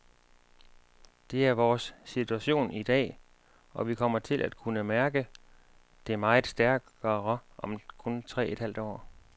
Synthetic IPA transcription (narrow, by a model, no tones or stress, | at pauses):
d̥e̝æɐʋɒːsːit͡sʰuæɕo̝̰ːnid̥ɛ̰ː | ɒ̽ʋikʰɒ̽m̰ɐt͡sʰe̝lʔæd̥̚kʰunəmæɐɡ̥ə | d̥e̝æɐmɑ̈ɪð̩ˠsd̥æɐɡ̥ɐʁɐʔɒ̽mkʰɔ̽nt͡sʰʁɛ̰ːe̝d̥hæld̥ɒ̰ː